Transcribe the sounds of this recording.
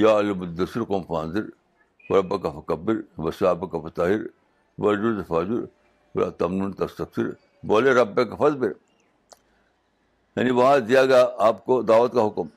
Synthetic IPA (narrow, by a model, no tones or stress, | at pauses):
jaːɐlbud̪ɐsiɾkoːmfa̰ːnziɾ | wɐɾɐbɐkɐfɐkɐbːiɾbɐsaːbɐkɐfɐt̪aːɦiɾ | ʋɐɾd͡ʒuɾzɐfaːd͡ʒuɾ | wɐ̰lʔa̰ːt̪ɐmnuːnt̪ɐst̪ɐfsḭɾ | boːleɾɐbːekɐfɐzbiɾ | jɐ̰niʋɐɦãd̪ijaːɡaːaːpkod̪aːʋɐt̪kaɦʊkum